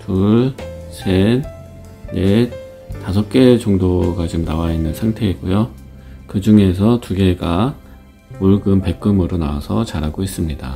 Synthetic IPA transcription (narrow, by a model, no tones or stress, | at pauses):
tuɭsʰe | ne | tas̬ʰʌk̚k͈e̞t͡ɕoŋdoɡat͡ɕomnawainːɯnsʰaŋtʰe̞ik͈ujo | kɯd͡ʑuŋe̞s̬ʰʌtuɡe̞ɡa | oɭɡɯmpe̞k͈ɯmɯɾonaasʰʌt͡ɕaɾɦaɡois͈ɯmɲida̰